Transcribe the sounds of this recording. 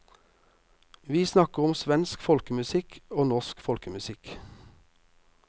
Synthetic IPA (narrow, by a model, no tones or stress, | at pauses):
ʋiːsnɑkəʁʊmsʋɛnskfɔlkəmʉsɪkʰoːnɔʁskfɔlkəmʉsɪk